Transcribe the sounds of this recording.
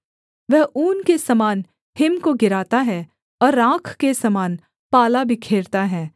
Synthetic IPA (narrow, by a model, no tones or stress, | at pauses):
ʋɛɦʔuːnkesɐmaːn | hɪmkoɡɪɾaːt̪aɦɛ̃ | ɔːɾːãːkʰkesɐmaːn | paːlabʱikʰeːɾt̪aɦɛ̃ː